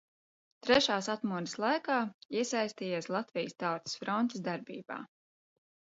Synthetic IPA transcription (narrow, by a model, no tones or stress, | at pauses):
t̪ɾɛʃaːsat̪muɔnʲislˠajkaːiɛsajst̪iːjaːslˠat̪vijəst̪awt̪si̥sfɾɔnt̪ɨsd̪aɾbḭːb̥a̰ː